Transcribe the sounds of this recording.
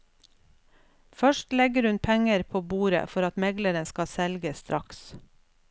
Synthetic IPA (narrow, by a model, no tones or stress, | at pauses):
fœʃʈlɛɡəɾhʉnpʰɛŋəɾpʰoːbuːɾə̰fɔɾɑt̪mɛɡləɾənskɑsɛlɡəst̪ɾʔɑks